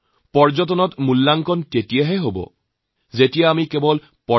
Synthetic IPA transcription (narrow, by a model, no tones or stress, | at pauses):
pɔɹzɔt̬ɔnɔtmulːaŋkɔntetijaɦɛɦobɔ̰ | zetijaːmikebɔl | pɔ